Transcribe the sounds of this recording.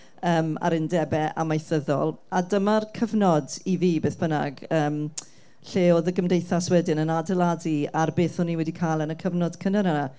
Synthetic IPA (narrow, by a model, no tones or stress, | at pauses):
əːma̰ɾɪndɛbɛʔa̰majθəðɔ̰lˠadəmarkʰəvnɔdiviːbeːθb̥əna̰ɡəːm | ɬeːoːðəɡəmdejθaswɛdɪnənadɛlˠadiarbeːθɔniwɛdikʰaːlˠənəkʰəvnɔd̥kʰənənana